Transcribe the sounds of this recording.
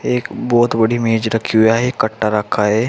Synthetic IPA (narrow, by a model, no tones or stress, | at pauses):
eːkbɔːt̪bɐɽimeːd͡ʒɾɐkʰiɦʊjaɦɛkɐʈːaɾəkʰaɦɛː